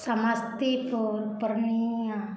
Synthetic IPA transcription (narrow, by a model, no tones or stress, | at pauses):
samast̪ipupəɾnia